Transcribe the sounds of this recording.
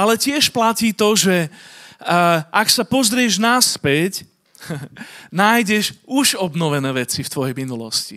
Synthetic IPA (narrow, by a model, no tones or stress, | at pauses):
alɛcɪɛʃplaciːt̪ɔʒɛ | ʔaksapɔzɾɪɛʒnaspɛc | naːjɟɛʃuʒɔbnɔʋɛnɛːʋɛt͡sift̪ʋɔjɛjminulɔ̰scḭ